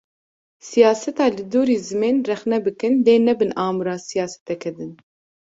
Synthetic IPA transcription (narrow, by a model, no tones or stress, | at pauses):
sijɑːsɛt̪ɑːlɨd̪uːɾiːzɨmeːnrɛxnɛbɨkɨnd̪eːnɛbɨnɑːmɨɾɑːsijɑːsɛ̥t̪ɛkʰɛd̪ɨn